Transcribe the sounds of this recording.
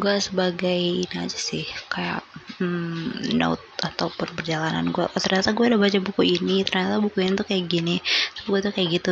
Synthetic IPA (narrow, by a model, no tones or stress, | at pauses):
ɡuasəbaɡajinia̰d͡ʒasɪhkaja̰ʔmno̰t̪̚at̪aupʊnpərd͡ʒalana̰nɡuɛ̰t̪ərɲat̪aɡuɛdabat͡ʃabukuinit̪ərɲat̪abukuinit̪ukajaɡinit̪ḁpɡuat̪ukajaʔɡit̪u